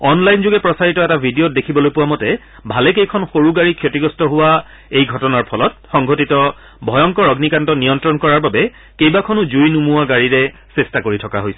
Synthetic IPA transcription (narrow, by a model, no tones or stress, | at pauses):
ɔnlajnzuɡɛpɹɔsaɹitɔɛtabʱidiot̚dekʰibɔlojpʊwamɔtɛ | bʱalɛkejkʰɔnxoɹuɡaɹikʰjotiɡɔstɔɦʊwa | ejɡʱɔtɔnaɹpʰɔlɔt̚xɔŋɡʱotitɔ | bʱɔjɔŋkɔɹɔɡnikantɔnijɔntɹɔnkɔɹaɹbabɛ | kejbakʰɔnʊzujnumuwaɡaɹiɹɛ | sɛstakoɹitʰɔkaɦojsɛ̥